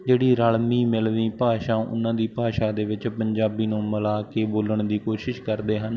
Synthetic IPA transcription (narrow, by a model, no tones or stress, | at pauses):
d͡ʒeːɽiːɾaːlmiːmɪlʋĩːpaːʃãːʔʊ̰nːãːd̪iːpaːʃaːd̪eːʋɪt͡ʃpəɲd͡ʒaːbiːnũːməlaːkeːboːləɳd̪iːkoːʃɪʃkəɾd̪eːɦən